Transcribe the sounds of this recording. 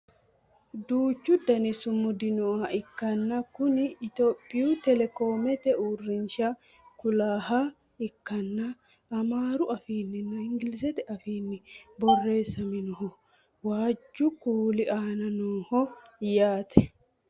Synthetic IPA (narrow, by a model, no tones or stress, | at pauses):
d̪uːt͡ʃːʊd̪ɐnɪsʊmʊd̪ɪnʊʔaʔɪkːɐnːɐkʊnɪɪt̪oːpʼːɪjuːt̪ɛlɛkoːmɛt̪ɛʔuːrːɪnʃa | kʊlaːɦa | ɪkːɐnːɐː | maːɾʊʔɐfiːnːɪnɐɪŋɡɪlɪsɛt̪ɛʔɐfiːnːɪbɔrːe̞ːsːɐmɪnʊhɔ | waːd͡ʒːʊkuːlɪʔaːnɐnuːhɔjaːt̪ʰɛ̥